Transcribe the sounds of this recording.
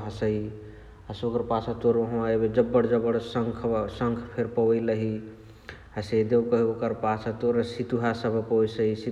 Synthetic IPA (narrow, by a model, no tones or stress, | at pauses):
ɦəsəi | ɦəsokəɾpasət̪oɾəɦõaebed͡ʒəbːəɽd͡ʒəbəɽsəŋkʰsəŋkʰpʰeɾpəwəjləɦi | ɦəsəid̪ewkəɦeokəɾpasət̪oɾəsit̪uɦasəbʱpəwisəisi